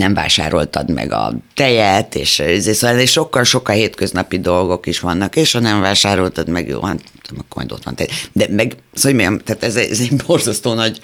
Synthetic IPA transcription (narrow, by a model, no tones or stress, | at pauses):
nɛɱva̰ːʃa̰ːɾo̞̰lt̪ɒd̪mɛ̰ɡɒ̰t̪ɛjɛt̪eːʃizeːsoːalneʃo̞kːɒlʃo̞kːɒheːt̪køznɒpid̪o̞lɡo̞kiʃʋɒnːɒkeːʃhɒnɛɱvaːʃaːɾo̞lt̪ɒd̪mɛ̰ɡjo̰ːvɒ̰n | t̪mɑkːomɒ̰jd̪o̰t̪ʋɒ̰nt̪ɛjɛd̪ɛmɛɡ | soɟmiɡɛmt̪aːt̪ɛzɛɛzɛborzɒst̪oːnɒɟ